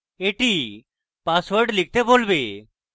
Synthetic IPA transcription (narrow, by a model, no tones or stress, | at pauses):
eʈi | paswəɾɖlik̚ʰt̪ebolbe